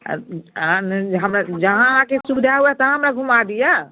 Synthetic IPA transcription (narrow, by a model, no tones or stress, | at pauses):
ãnɦəmɾad͡ʒəɦãɦãkesud̪ʱaɦuɛt̪əɦəmɾaɡʱumad̪ija